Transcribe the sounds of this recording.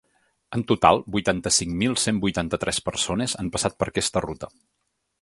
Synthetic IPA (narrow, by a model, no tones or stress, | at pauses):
ənt̪ut̪a̰lˠbujt̪ant̪əsiŋmilˠsembujt̪ant̪ət̪ɾʔɛspəɾsonezampəsat̪̚pəɾəkɛst̪ərut̪ə